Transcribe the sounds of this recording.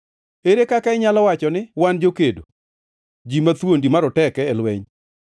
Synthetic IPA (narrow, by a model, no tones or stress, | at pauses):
eɾekakaɪɲalɔwat͡ʃɔnɪwand͡ʒokedo̰ | d͡ʒimat̪wondimaɾɔtɛkɛːlwɛ̰ɲ